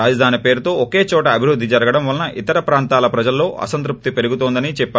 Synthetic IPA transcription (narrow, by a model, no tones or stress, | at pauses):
aːd͡ʒɐd̪ʱaːnipe̞ːɾut̪o̞ːoke̞ːt͡ʃɔːʈɐːbʱiɾud̪ʱːid͡ʒɐɾɐɡɐɽɐmʋɐlɐnɐʔit̪ɐɾɐpɾaːnt̪aːlɐpɾɐd͡ʒɐlːo̞ːɐ̰sɐnt̪̬ɾup̚t̪ipe̞ɾuɡut̪oːnd̪ɐnit͡ʃɛpːaː